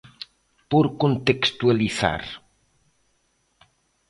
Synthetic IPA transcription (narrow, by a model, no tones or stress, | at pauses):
poɾkont̪ekst̪ualiθa̰ɾ